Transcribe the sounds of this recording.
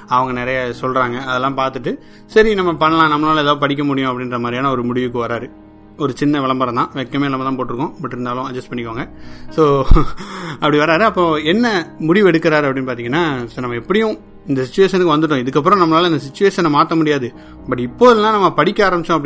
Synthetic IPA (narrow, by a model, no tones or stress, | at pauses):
ɐʋɐŋɡɐnɛɾɐjɐsɔlrɾaːŋɡɐɐðɛlːãːpaːɾt̪ɯʈːɯ | sɐɾinɐmːɐpɐnːɐlãːnɐmːɐnaːlɐɛðaːðɯpɐɽɪk̬ːɐmʊɽɪjʊ̃ɐpːɐɽɪnrɾɐmaːd̪ɾijaːnaɔɾɯmʊɽɪʋɯkːɯʋɐɾaːɾɯ | ɔɾɯt͡ʃɪnːɐʋɐɭɐmbɐɾɐ̃t̪ãːʋɛkːɐmeːnɐmːɐt̪ãːpoːʈːɪɾɯkːʊ̃mɐʈːɪɾɯnd̪aːlʊ̃ɐd͡ʒɐsʈ̚pɐɳːɪkːoːŋɡɐsoː | ɐpːɐɽiʋɐɾaːɾɯɐpːõːɛnːɐmʊɽɪʋɛɽɯkːɐɾaːɾɯɐpɐɽɪnːɯpaːɾt̪iːŋɐnːaːsonɐmːɐɛpːɐɽɪjʊ̃ | ɪnd̪ɐsɪt͡ʃːʊʋeːʂɐnɯkːɯʋɐnd̪ɯʈ̬ːõɪðɯkːɐp̬ːɯɾɔ̃nɐmɐnaːlɐɪnd̪ɐsɪt͡ʃːʊʋeːʂɐnɐmaːt̪ɐmʊɽɪjaːðɯ | bɐʈːɪpːoːðlnãːnɐmːɐpɐɽɪkʲːɐaːɾɐmbɪt͡ʃːõɐp̬ːɐɽɪ